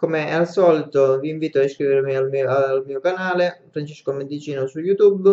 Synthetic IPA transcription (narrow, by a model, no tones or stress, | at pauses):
komealsɔːlit̪oviːɱviːt̪oaiskɾiveɾmialmialmiːokanaːlefɾant͡ʃɛskomend̪it͡ʃiːnosujut̪ub